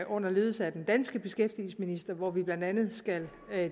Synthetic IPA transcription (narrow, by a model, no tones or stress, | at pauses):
ʔɔ̽n̰ɐle̝ːðˠsæd̥end̥ænsɡ̥əb̥e̝sɡ̥efd̥iːl̩sminisd̥ɐʋɒʋib̥lænd̥ænð̞̩ˠsɡ̥æl